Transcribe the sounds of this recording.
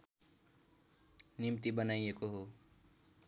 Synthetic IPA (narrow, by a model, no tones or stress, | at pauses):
nimt̪ibʌnajekoɦo